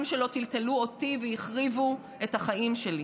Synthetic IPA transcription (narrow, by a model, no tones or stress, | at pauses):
mʃelo̞t̪ilt̪eluo̞tivejiχʁivu | e̞thaχaʔimʃe̞li